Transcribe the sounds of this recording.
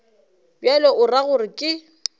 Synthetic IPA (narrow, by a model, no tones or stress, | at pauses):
bjalɔʔʊraɣʊrɪkʼɪ